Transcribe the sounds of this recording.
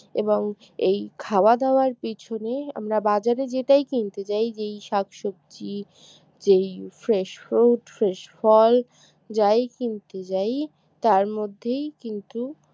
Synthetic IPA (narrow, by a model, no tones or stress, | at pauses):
eboŋ | ejkʰawad̪aoaɾpit͡ɕʰonea̰mɾabad͡ʑaɾed͡ʑeʈajkint̪et͡ɕajd͡ʑejʃakʃok̚t͡ɕi | d͡ʑejfɾeʃfɾoʈfɾeʃfɔl | d͡ʑajkint̪et͡ɕaj | t̪aɾmod̪ʱːejkint̪u